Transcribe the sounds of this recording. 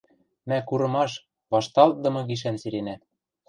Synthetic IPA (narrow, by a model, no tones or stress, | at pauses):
mækuɾɤ̆mɑʃ | βɑʃt̪ɑlt̪̚d̪ɤ̆mɤ̆ɡiʃ̬ænsiɾenæ